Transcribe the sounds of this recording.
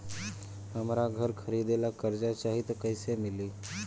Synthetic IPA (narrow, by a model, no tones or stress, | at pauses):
ɦəmɾaɡʱəɾkʰəɾid̪elakəɾd͡ʒat͡ʃaɦit̪ɔkəɪsemili